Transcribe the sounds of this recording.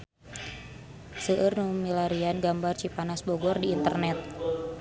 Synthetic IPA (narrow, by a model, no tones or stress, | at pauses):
səʔərnumilaɾianɡambart͡ʃipanasbɔɡɔrdiːnt̪ə̰rnɛt̪̚